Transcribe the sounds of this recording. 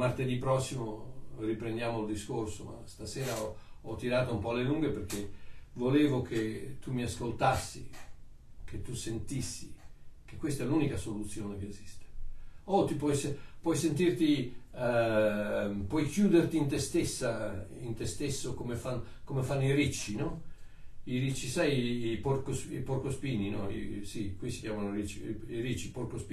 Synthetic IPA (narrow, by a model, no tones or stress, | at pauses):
mart̪ed̪ipɾɔsːimoripɾend̪jaːmoild̪iskorsoma̰st̪asɛːɾaɔɔt̪ːiɾaːt̪oumpɔleluŋɡeperk̟evoleːvokʰet̪umːiaskolt̪asːḭ | kʰet̪ːusent̪isːikekːwest̪ɛluːnikasolut̪sjoːnekeːzist̪e̥ot̪ipwɔjsepwɔjsent̪irt̪i | pwɔjkjuːd̪ert̪int̪est̪esːaint̪est̪esːokomefan | komefanːoirit͡ʃːinɔ | iɾit͡ʃːisajiporkosḭporkospiːninɔ̰ḭsikwisikjaːmanoirit͡ʃːiiɾit͡ʃːiporkospi